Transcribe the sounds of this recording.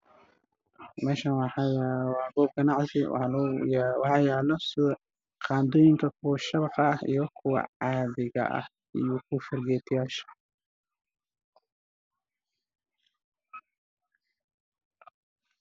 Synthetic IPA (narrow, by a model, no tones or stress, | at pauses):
mɛːʃɐnwɑħɑjawɑːɡɔːb̚ɡɐnɑʕsɪwɑ̰lʊjwɑħɑːjaːlɔsɪw | qɑːnd̪ɔːjɪŋkʰɐkʰʊwʃɐβħɐhijɔkʰʊwɑ̰ʕɑːðɪɣɐ̰ʔɐ̰h | ijɔkʰʊfɐrɡɛːt̪ʰjaːʃɐ̥